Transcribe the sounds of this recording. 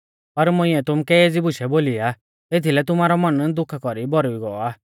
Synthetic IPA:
pɐɾmʊ̃ɪ̃ɛt̪ʊmkɛeːd͡zibʊʃɛboːlija | et̪ʰilɛt̪ʊmaːɾɔmɐnd̪ʊkʰkɔɾibɔɾuiɡɔɔaː

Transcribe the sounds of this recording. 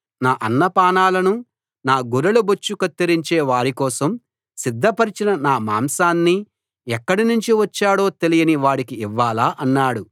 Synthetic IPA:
naːʔɐnːɐpaːnaːlɐnu | naːɡuɾɐlubot͡ʃːukɐt̪ːiɾiɲt͡ʃeːʋaːɾikɔːsɐm | sid̪ʱːɐpɐɾit͡ʃinɐnaːma̰ːmsaːnːi | ɛkːɐɽinuɲt͡ʃiʋɐt͡ʃːaːɽo̞ːt̪e̞lijɐniʋaːɽikiːʋːaːlaːʔɐnːaːɽu

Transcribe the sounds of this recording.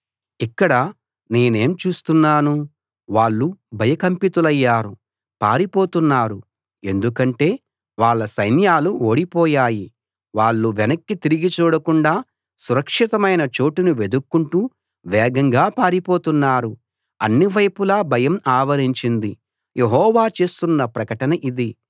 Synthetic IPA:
ikːɐɽɐ | ne̞ːne̞ːmt͡ʃuːst̪unːaːnu | ʋaːɭːubʱɐjɐkɐmpit̪ulɐjːaːɾu | paːɾipo̞ːt̪unːaːɾu | e̞nd̪ukɐɳʈe̞ː | ʋaːɭːɐsɐjnjaːluʔoːɽipɔːjaːji | ʋaːɭːuʋɛnɐkːit̪iɾiɡit͡ʃuːɽɐkuɳɖaː | suɾɐkʂit̪ɐmɐjnɐt͡ʃo̞ːʈinuʋe̞d̪ukːuɳʈuː | ʋɛːɡɐŋɡaːpaːɾipoːt̪unːaːɾu | ɐ̰nːiʋɐjpulaːbʱɐjɐmaːʋɐɾiɲt͡ʃind̪i | jeɦɔːʋaːt͡ʃe̞ːst̪unːɐpɾɐkɐʈɐnɐʔid̪i

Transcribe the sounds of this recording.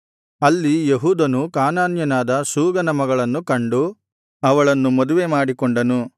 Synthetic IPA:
ɐlːijeɦuːd̪ɐnukaːnaːnjɐnaːd̪ɐsuːɡɐnɐmɐɡɐɭɐnːukɐɳɖu | ɐʋɐɭɐnːumɐd̪uʋe̞maːɽikɔɳɖɐnu

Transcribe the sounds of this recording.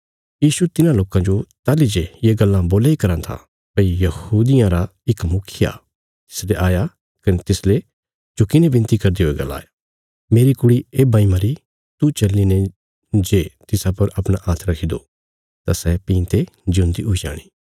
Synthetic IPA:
jiːʃut̪ɪnãloːkãd͡ʒot̪aːlid͡ʒejeɡɐlːãboːlaikɐɾãt̪ʰa̰ | pɐijɐhuːd̪ɪjãɾaɪkmʊkʰɪja̰ | t̪ɪ̥sleʔaːja | kɐnet̪ɪsle | d͡ʒokɪnẽbɪ̃nt̪ikɐɾd̪eɦoːeɡɐ̰lːa̰ːja | meːɾikʊɽieːbaːimɐɾi | t̪ut͡ʃɐlːinɛ̃ | d͡ʒeːt̪ɪsapɐɾɐpɽ̃aʔaːt̪ʰɾɐkʰid̪o | t̪asɛːpĩːnt̪e | d͡ʒʊ̃nd̪iɦoid͡ʒa̰ːɽ̃iː

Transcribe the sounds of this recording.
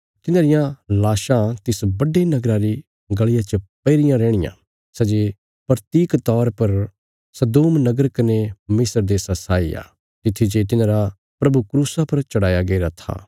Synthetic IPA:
t̪ɪnãːɾɪjãlaːʃãt̪ɪsbɐɖenɐɡɾaɾi | ɡɐɭɪjat͡ʃəpɐɪɾɪjãɾɛːɽ̃ɪjã̰ | sɛd͡ʒe | pɾt̪iːkt̪ɔːɾpɐɾ | sɐd̪oːmnɐɡəɾkɐnemɪsəɾd̪eːsasaːḭja̰ː | t̪ɪt̪ʰːid͡ʒet̪̬ɪnãːɾa | pɾɐbukɾuːsapɐɾt͡ʃɐɽaːjaɡeɾat̪ʰa̰ː

